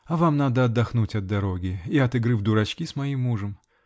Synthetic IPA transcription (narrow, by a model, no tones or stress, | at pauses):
ɐvamnad̪əɐd̪ːɐxnutʲɐd̪ːɐɾo̞ɡʲɪiɐt̪ɨɡɾɨvd̪ʊɾɐt͡ɕkʲismɐimːuʐəm